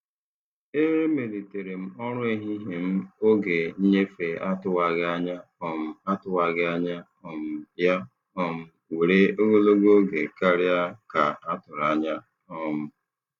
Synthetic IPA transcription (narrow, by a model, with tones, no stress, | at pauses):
e˦ɾe˦me˨li˨te˨ɾe˨m̩˦ɔ˦ɾʊ˦i˦ɦi˦ɦe˨m̩˦o˦ɡe˨ɲ̩˦ɲe˦fe˨a˦tʊ˦wa˨ɡɪ˦a˦ɲa˦ɔ˨m̩˨a˦tʊ˦wa˨ɡɪ˦a˦ɲa˦ | ɔ˨m̩˨ja˦ | ɔ˦m̩˨˦ | we˨ɾe˦o˦ɡo˦lo˦ɡo˦ɡe˨ka˦ɾja˦ka˨a˦tʊ˨ɾa˨ɲa˦ | ɔ˦mʊ˦